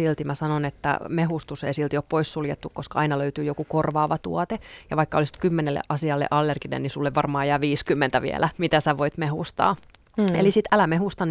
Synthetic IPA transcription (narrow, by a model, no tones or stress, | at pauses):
ilt̪imæsɑnonet̪ːæ̰meɦust̪usḛisilt̪ioppoissuljet̪ːukkoskɑɑinɑløyt̪yːjokukorʋɑːʋɑt̪ṵɑt̪ejɑʋɑikːɑolisi̥t̪kymːenelːḛʔɑsiɑlːḛʔɑlːerɡ̥inḛnnisulːeʋʋɑrmɑːjæːʋiːskymːent̪æʋḭeɛ̰lʔæmit̪æsæʋoit̪mehust̪ɑ̰ː | ḛlisit̪ælæmeɦust̪ɑn